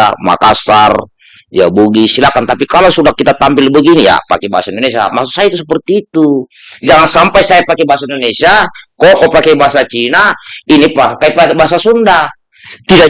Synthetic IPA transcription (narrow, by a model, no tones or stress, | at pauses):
ama̰kasar | ja̰buɡisilakant̪apikalosudakit̪at̪ampilbəɡinija̰pa̰kɛba̰asaindɔnesia̰masusajit̪us̬əpərt̪iːt̪ud͡ʒaŋansampajsajapakɛbaɦasaindɔnesiakɔkɔpakaibaɦasat͡ʃinainipakaipakbaɦasasunda | t̪ida